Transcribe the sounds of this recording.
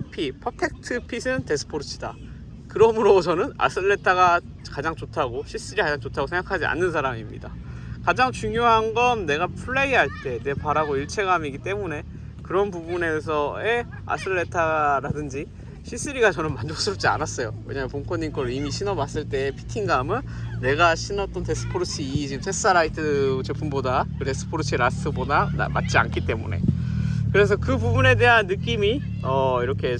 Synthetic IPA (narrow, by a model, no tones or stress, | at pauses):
pʰipʰʌpʰe̞k̚tʰɯpʰisʰɯnte̞sʰɯ̥pʰoɾt͡ɕʰida | kɯɾʌmɯɾot͡ɕʰʌnɯna̰s͈ʰɯɭːe̞tʰaɡa | kad͡ʑaŋt͡ɕotʰaɡoɕʰis͈ɯɾikad͡ʑaŋt͡ɕotʰaɡosʰeŋɡakʰad͡ʑia̰nːɯnsʰaɾamimɲḭda̰kad͡ʑaŋt͡ɕuŋjoɦanɡʌnne̞ɡapʰuɭːe̞iɦaɭt͈e̞ne̞paɾaɡoiɭt͡ɕʰe̞ɡamiɡit͈e̞mune̞ | kɯɾʌnpubune̞sʰʌe̞ | a̰s͈ʰɯɭːe̞tʰaɾadɯnd͡ʑi | ɕʰis͈ɯɾiɡat͡ɕʌnɯnmand͡ʑok̚s͈ɯɾʌp̚t͡ɕ͈ia̰nas͈ʌjowe̞̰ɲamjʌpoŋkʰʌɲink͈ʌɾimiɕʰinʌbas͈ɯɭt͈e̞pʰi̥tʰiŋɡamɯnːe̞ɡaɕʰinʌt͈ʌnte̞s͈ʰɯ̥pʰoɾut͡ɕʰit͡ɕiɡɯmtʰes͈aɾaitʰɯt͡ɕepʰunbodakɯte̞s͈ʰɯ̥pʰoɾɯt͡ɕʰiɾasʰɯbodaa̰ma̰t̚t͡ɕ͈ia̰nkʰit͈e̞mune̞̰kɯɾe̞s̬ʰʌkɯbubune̞de̞ɦanːɯk͈imi | ʌiɾʌkʰe̞